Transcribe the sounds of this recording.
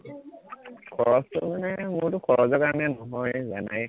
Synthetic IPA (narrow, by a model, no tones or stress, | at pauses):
kʰɔɹɔstʊ̰manɛmʊɹtʊkʰɔɹɔzɔkaɹɔnɛnɔɦɔjza̰na̰j